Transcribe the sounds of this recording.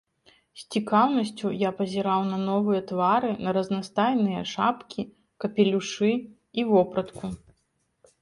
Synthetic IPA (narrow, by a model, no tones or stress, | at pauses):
sʲt͡sʲikawnɐsʲt͡sʲujapɐzʲiɾawnɐnɔvɨjɐt̪vaɾɨnɐɾɐznast̪ajnɨjɐʂapkʲi | kɐpʲɛlʲuʂɨ | ivɔpɾɐt̪ku